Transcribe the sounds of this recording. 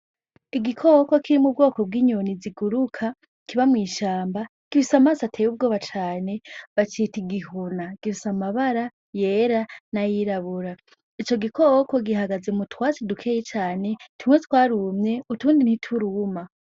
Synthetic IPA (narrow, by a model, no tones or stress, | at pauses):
iɡikʰoko̞kiɾimub̚ɡo̞ːko̞b̚ɡiːɲoniziɡuɾukʰa | kiβamŋiːʃaːmba | ɡ̥ifisamaːsatʰejub̚ɡo̞ːβat͡ʃaːne̞βat͡ʃiːtiɡiɦunaɡ̥ifisamaβaɾa | jeːɾanajiɾaβuɾa | it͡ʃo̞ɡikoko̞ɡiɦaɡaze̞mutwaːt͡sidukʰeːjet͡ʃaːne̞tʰumwetwaːɾumɲe̞utuːndin̥hitʰuɾuːma